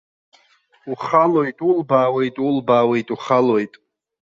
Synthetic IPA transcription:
uχalojtʼulbaːwe̞jtʼulbaːwe̞jtʼuχalojtʼ

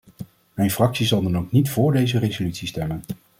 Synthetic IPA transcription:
mɛjnfrɑksizɑlˠdɑnowknitfʊːɹdejzərezolytsistɛmən

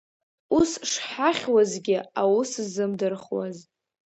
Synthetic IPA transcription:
usʂħaχʲwazɡʲɪawuszɨmdɨrχwa̰z

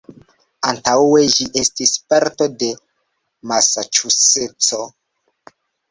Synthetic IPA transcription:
antawe̞ʒiʔe̞stispaɾto̞de̞ | masat͡ʃuset͡so̞

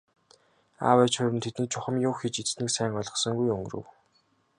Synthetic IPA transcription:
a̰wæt͡ɕχʊːɾɘ̆nt̪ʰet̪niːk̚t͡ɕʰʊχə̆mjʊːxit͡ɕit͡sniːksæːŋɢɔɮʁɞ̆sɞ̆ŋɡujɵŋɡ̆rɵ̰̆w

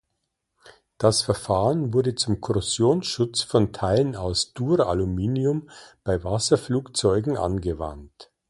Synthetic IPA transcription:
d̥asfɛɐfaːʁənvʊɐdət͡sʊmkʰɔʁʊsjoːnsʃʊt͡sfɔntʰaɪlənaʊsd̥uːʁa̰lumiːniʊmb̥aɪvasɐfluːkt͡sɔʏɡŋ̩ʔa̰nɡəva̰nt

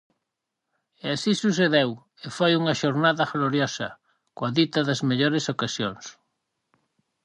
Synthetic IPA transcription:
easisusθ̬eðew | efojuŋɐʃoɾnaðɐɣloɾjɔsɐ̰ | koaðit̪ɐðɐzmeʎoɾesokasjoŋs

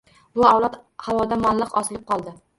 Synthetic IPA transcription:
bʊawlˠat̪hawɒd̪amalːɨqɒsɪlˠɪp̚qʰɒlˠd̪ɪ

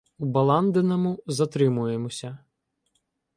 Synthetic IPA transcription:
ubɐlˠɑnd̪enɐmʊzɐt̪ɾɪmʊjemɔsʲɐ

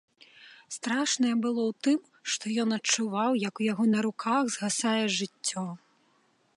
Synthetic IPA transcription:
st̪ɾaʂnɐjɛbɨlˠɔwt̪ɨm | ʂt̪ɔjɔnɐt͡ʂuvawjɐkujaɣɔnɐɾukʰaɣzɣasajɛʐɨt͡sʲːɔ

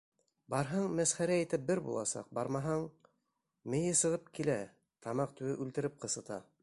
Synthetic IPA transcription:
bɑɾɦɑɴmæsχæɾæːjt̪ɘp̚bɘɾbṵlˠɑ̰sɑ̰q̚bɑɾmɑɦɑɴ | mɘ̆jɘsɤ̆ʁɤp̚kilæ | t̪ɑmɑq̚t̪ʉwɘʔʉlt̪ɘ̆ɾɘp̚qɤ̆sɤ̆t̪ɑ

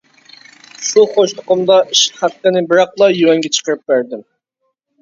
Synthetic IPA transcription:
ʃuχoʃt̪ʰʊ̥qʊmd̪ɑʔiʃχæt̪ːɪnɪbɨɾɑqlˠɑjuwɛŋɡʲɛt͡ʃʰə̥qəɾɨp̚bæɾd̪ɪm

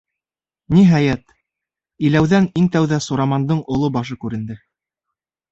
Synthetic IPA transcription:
niɦæjæt̪ | ilæwðæniŋt̪æwðæsuɾɑmɑnd̪ɤɴŏlˠobɑʃɤkʉɾɘ̆nd̪ɘ

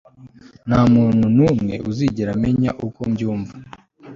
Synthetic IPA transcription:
n̥hamuːnhunumŋe̞̰ʔuziɟeɾame̞ɲaʔukomɟuːɱva

